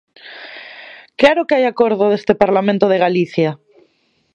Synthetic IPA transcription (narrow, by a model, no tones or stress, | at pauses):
klaɾokeajakoɾðoðest̪epaɾlamẽnt̪oðeɣaliθja